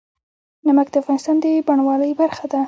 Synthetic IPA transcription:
namakd̪əafɣɑnɪst̪ɑnd̪əbaɳwɑləjbaɾxad̪a

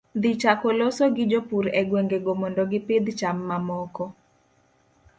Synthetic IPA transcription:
d̪it͡ʃakolosoɡɪd͡ʒopuɾɛɡweŋɡeɡomɔndɔɡɪpɪd̪t͡ʃamːamɔkɔ

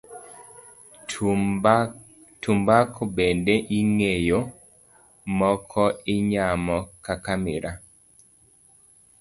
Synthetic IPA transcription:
tumbakɔbendeʔiŋejo | mɔkʰɔɪɲamɔkakamɛɾa

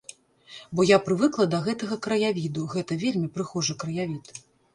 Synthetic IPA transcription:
bɔjapɾɨvɨklˠɐd̪ɐɣɛt̪ɐɣɐkɾɐjavʲid̪uɣɛt̪ɐvʲelʲmʲipɾɨxɔʐɐkɾɐjavʲit̪

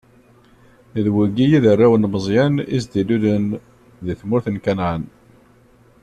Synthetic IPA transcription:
ðwəɡijiðərːæwənməzˤjænḭzd̪iluðən | ðiθmʊɾθənkænʕən

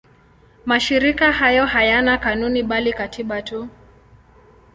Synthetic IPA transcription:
maʃiɾikahajɔhajanakanuniɓalikatʰiɓatu

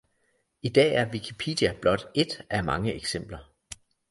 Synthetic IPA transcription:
id̥ɛ̰ːæɐʋikʰipʰḛːd̥iæb̥lɒ̽d̥e̝d̥æmɑ̈ŋəeɡ̥sem̰b̥lɐ

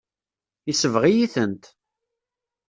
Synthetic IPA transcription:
isəvʁijiθənt̪

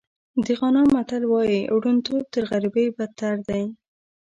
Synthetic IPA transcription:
d̪əɣɑnɑmaʈalwɑjiwɽunt̪ob̚t̪əɾɣaɾibejbat̪ːaɽd̪aj

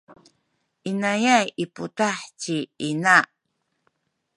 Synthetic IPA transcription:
ʔinajajʔiputaħciina

